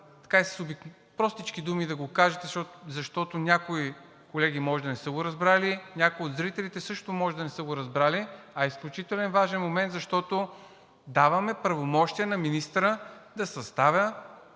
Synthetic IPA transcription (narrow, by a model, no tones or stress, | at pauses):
t̪ɐ̥kaisə̥sobi | pɾɔst̪it͡ʃkid̪umid̪ɐɡokaʒɛt̪ɛzɐʃt̪ɔt̪onʲakoi | kolɛɡʲimɔʒɛd̪ɐnɛsəɡoɾɐzbɾalinʲakoiod̪zɾit̪ɛlit̪ɛsɤʃt̪omɔʒɛd̪ɐnɛsəɡoɾɐzbɾaliɐisklʲut͡ʃit̪ɛlɛnvaʒɛnmomɛnt̪zɐʃt̪ɔt̪o | d̪avɐmɛpɾɐvomɔʃt̪iɛnɐminist̪ɾəd̪ɐsɐst̪avʲə